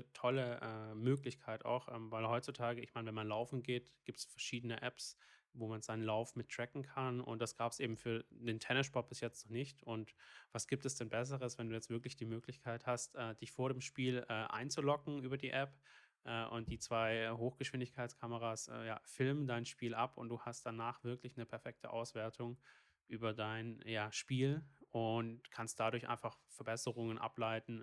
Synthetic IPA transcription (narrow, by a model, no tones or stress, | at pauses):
tʰɔləʔɛːmøːklɪçkʰaɪta̰ʊxʔɛ̰ːmvaɪlhɔʏtt͡sutʰaːɡəɪçmaɪnvɛnmanlaʊfn̩ɡeːtɡ̥iːp̚tsfɛɐʃiːdənəʔɛps | voːmanzaɪnənlaʊfmɪtːʁ̥ɛkŋ̩kʰanʊ̰nt̚d̥asɡ̥aːpsʔeːbm̩fyːɐd̥eːntʰɛnəʃpʰɔɐt̚b̥ɪsjɛt͡stnɔχnɪçtʔʊntvasɡ̥iːp̚tɛsd̥ɛnbɛs̬əʁəsvɛnduːjɛt͡stv̥ɪɐklɪçd̥iːmøːklɪçkʰaɪthastʔɛːd̥ɪçfoːɐɾeːmʃpiːlɛːʔa̰ɪnt͡sulɔkŋ̩ʔyːbɐdiːʔɛp | ʔɛːʔʊ̰ntd̥iːt͡sv̥aɪɦoːxɡ̥əʃv̥ɪndɪçkʰaɪtt͡skʰaməʁaːsʔɛ̰ːja̰ːfɪlməndaɪnʃpiːlʔapʊnt̚d̥uːhast̚d̥anaːχv̥ɪɐklɪçnəpʰɛɐfɛk̚tʰə̰ʔa̰ʊsv̥ɛːɐtʰʊŋ | ʔyːbɐdaɪnjaːʃpiːlʔʊntkʰanst̚d̥adʊɐçʔa̰ɪnfaχfɛɐbɛsəʁʊŋənʔa̰plaɪtn̩